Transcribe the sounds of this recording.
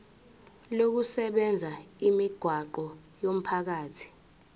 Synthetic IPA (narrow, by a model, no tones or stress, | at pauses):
lok̬usɛɓɛnd͡zʱaimiɡ̥ʱwaǃɔjom̩pʰak̬aːtʰi̥